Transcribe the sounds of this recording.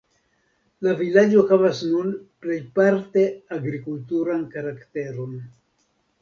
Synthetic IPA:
lavilad͡ʒohavasnunple̞jpaɾte̞aɡɾikultuɾankaɾakte̞ɾo̞n

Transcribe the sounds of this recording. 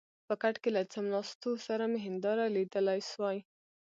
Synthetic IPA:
pəkaʈkelat͡səmlɑst̪osaɾameɦɪnd̪ɑɾalid̪əlajʃwɑj

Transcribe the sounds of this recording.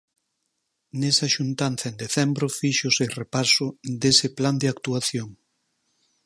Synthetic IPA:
nesɐʃunt̪anθɐend̪eθɛmbɾofiʃʊserepasʊd̪esɪpland̪eakt̪uaθjoŋ

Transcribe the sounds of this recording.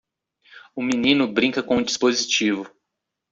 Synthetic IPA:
ʊminĩnʊbɾĩkɐkõũd͡ʒispozit͡ʃivʊ

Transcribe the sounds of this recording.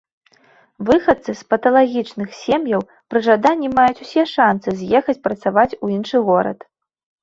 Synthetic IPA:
vɨxɐt̪sɨspɐt̪ɐlˠaɣʲit͡ʂnɨxsʲemjɐw | pɾɨʐad̪anʲːimajut͡sʲusʲɛʂansɨzʲjɛxɐt͡sʲpɾɐt̪savat͡sʲuinʂɨɣɔɾɐ̰t̪

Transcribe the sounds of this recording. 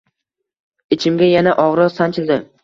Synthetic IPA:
ɪt͡ʃʰɪmɡʲajanaʔɒʁɾɒsant͡ʃʰɪlʲd̪ɪ

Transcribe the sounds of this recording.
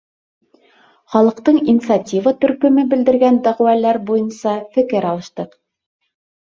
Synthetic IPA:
χɑlˠɤ̆qt̪ɤɴinʲt̪satʲivɤt̪ɵ̆ɾkɵ̆mɘbɘ̆ld̪ɘ̆ɾɡænd̪æʁwælæɾbujɤnsɑfɘ̆kɘɾɑlˠɤ̆ʃt̪ɤq

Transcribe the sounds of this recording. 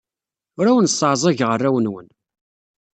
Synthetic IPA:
ʊɾæwənsːʕzˤɑʝʁərːæwənwən

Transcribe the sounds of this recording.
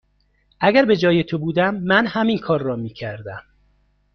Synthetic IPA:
ʔæɡæɾbe̞d͡ʒɒːje̞t̪ʰobuːd̪æmːænhæminkʰɒːɾːɒːmiːcʰæɾd̪æm

